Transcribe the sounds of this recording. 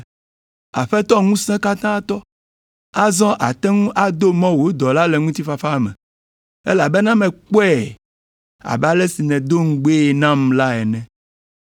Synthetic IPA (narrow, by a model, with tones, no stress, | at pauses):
a̰˨ɸɛ˦t̪ɔ˦ŋũ˦sɛ̃˦ka˦t̪ã˦t̪ɔ˦ | a˦zɔ̃˦ʔa˨t̪ɛ̃˦ŋũ˦ʔa˦d̪o˦mɔ̃˦wo˨˦d̪ɔ˨la˦lɛ˨ŋũ˦t̪i˦fa˨fa˦˨mɛ̰̃˨ | ɛ̰˦la˨bɛ˦nã˦mɛ̃˨k͡pɛ˦˨ | a̰˨bɛ˦a˦lɛ˦si˨nɛ̃˨d̪o˦ŋ̩˦ɡ͡be˦˨nã˦mla˦ɛ˨nɛ̃˦